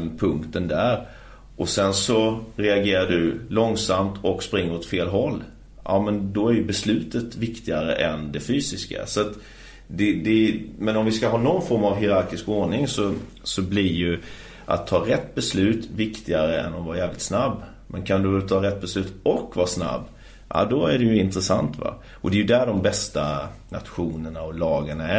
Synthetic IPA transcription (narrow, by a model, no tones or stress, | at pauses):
pʰɵŋkt̪ənd̪æɾ | ʔɔsɛnsɔɾɛaɡeːɾaɖɵlɔŋsamt̪ʰɔkspɾɪŋːəɾɔt̪feːlɦɔlː | ʔɑ̰mɛnd̪ɔæɾjɵbɛslʉ̟ːt̪ət̪vɪkt̪ɪɡaɾə̰ʔɛnd̪ɛfyːsɪska̰sɔat̪ | d̪ɛd̪ɛmɛnɔmvɪskaɦɑːnɔnfɔɾmavɦɪɾaɾkɪskoːɳɪŋsɔ | sɔblɪjɵ | ʔa̰t̪ʰːɑːɾɛt̪ːbɛslʉ̟ːt̪vɪkt̪ɪɡaɾəɛ̰nːɔvɑːɾjɛːvlɪt̪snabː | mʔɛnkʰand̪ɵt̪ʰɑːɾɛt̪̚ːbɛslʉ̟ːt̪ɔkvɑːsna̰bː | ʔa̰d̪ɔæɖɛjɵɪnt̪ɾəsa̰nt̪va̰ | ɔd̪ɛjɵd̪æɖɔmbɛst̪ana̰t̪ɧuːnəɳaɔlɑːɡəɳaæ